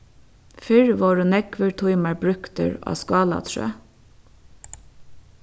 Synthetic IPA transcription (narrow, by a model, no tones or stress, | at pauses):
fɪɹʋoːɹʉnɛɡʋəɹt̪ʰʊɪmɑɹbɾʉkt̪ə̰ɹo̰ːskɑːlɑ̰t̪ʰɹø̰ː